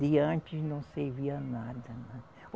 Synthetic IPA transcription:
d̪ɪɐ̃t͡ʃɪznɐ̃w̃seɾviɐnad̪ɐnɛ̃

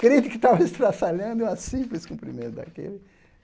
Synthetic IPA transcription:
kɾit̪ɪkɪt̪avɐist̪ɾasalɐ̃nd̪ũɐsĩplɪskũpɾḭmẽnt̪ʊd̪a̰kḛlɪ

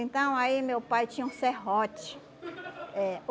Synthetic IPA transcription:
ẽnt̪ɐ̃w̃aimewpajt͡ʃĩũseɦot͡ʃi̥ | ɛ

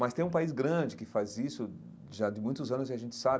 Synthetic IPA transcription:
mɐst̪ẽj̃ũpaizɡɾɐ̃d͡ʒɪkɪfazisʊ | ʒad̪ɪmũj̃t̪ʊzɐ̃nʊzɪaʒẽnt͡ʃɪ̥sabɪ

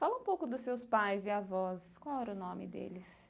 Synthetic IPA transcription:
falɐũpowkʊd̪ʊsːewspajzɪavɔskwawɛɾʊnõmɪ̰d̪ḛlɪs

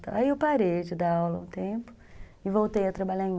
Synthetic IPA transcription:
t̪a̰aiewpaɾejd͡ʒɪd̪aawlɐũt̪ẽpʊ̥ | ɪvowt̪ejɐt̪ɾabaʎaẽ

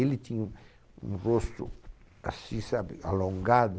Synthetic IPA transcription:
elɪt̪ĩɲ | ṵ̃rost̪ʊ | a̰sĩsabɪalõŋɡad̪ʊ

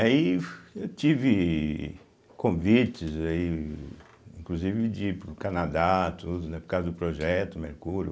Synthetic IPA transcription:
aiewt͡ʃivɪ | kõvit͡ʃɪzai | ĩkluzivɪd͡ʒɪpɾʊkɐnad̪at̪ʰud̪ʊnɛpʊɾkazɐd̪ʊpɾoʒɛt̪ʊmeɾkuɾjʊ

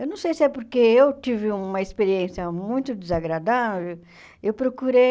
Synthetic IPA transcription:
ewnɐ̃w̃sejsɪɛpoɾkeewt̪ivɪũmɐespeɾiẽsjɐmũj̃t̪ʊd̪izaɡɾad̪aveviw | ewpɾokuɾe

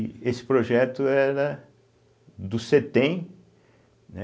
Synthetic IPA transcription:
esɪ̥pɾoʒɛt̪ʊɛɾɐ | d̪ʊset̪ẽj̃ | nɛ

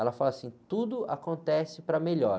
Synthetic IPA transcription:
ɛlɐfalasĩt̪ud̪ʊakõnt̪ɛsɪpɾɐmeʎɔɾ

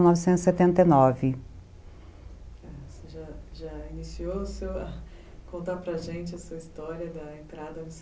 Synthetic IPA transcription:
nɔvɪsẽnzɪset̪ẽnt̪enɔvɪ | ɛseʒaʒainisiosewɐ | kõnt̪apɾɐʒẽnt͡ʃɪɐsuɐist̪ɔɾiɐd̪ɐẽnt̪ɾad̪ɐmis

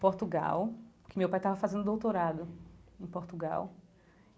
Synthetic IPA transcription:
poɾt̪uɡa̰wkɪmewpajt̪avɐfazẽnd̪ʊd̪owt̪oɾad̪ʊẽpoɾt̪uɡa̰w

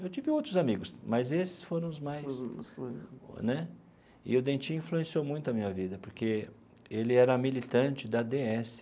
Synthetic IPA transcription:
ewt͡ʃivɪowt̪ɾʊzamiɡʊsmɐzesɪ̥sfoɾɐ̃w̃ʊzmajs | nɛ | ɪ̰ʊd̪ẽt͡ʃĩĩfluẽsiowmũj̃t̪ʊɐmĩɲɐvid̪ɐpoɾke | elɪɛɾɐmilit̪ɐ̃nt͡ʃɪd̪ɐd̪eɛsɪ̥

